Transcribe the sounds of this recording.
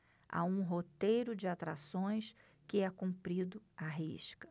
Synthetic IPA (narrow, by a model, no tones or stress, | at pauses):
a̰ũɦot̪ejɾʊd͡ʒɪat̪ɾa̰sõj̃s | kɪɛkũpɾid̪ʊaɦḭʃkɐ̥